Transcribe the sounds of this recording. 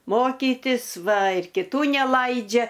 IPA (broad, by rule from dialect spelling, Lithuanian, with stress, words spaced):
ˈmoːkʲiːtʲɪs ˈʋɐ ɪr kʲɪˈtuː nʲɛˈlˠɐɪd͡ʒʲɛ